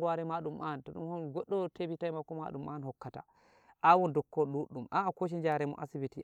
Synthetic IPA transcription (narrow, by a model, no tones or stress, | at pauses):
ɡaɾɛmaɗumʔantɔɗṵmhɔnɡɔɗːɔtebitajmakːɔma̰ɗuma̰nhɔkːata̰ | ʔawɔndɔkːɔɗuɗːumʔaːkoʃ̬ind͡ʒaɾɛmɔ̰ʔa̰sibiti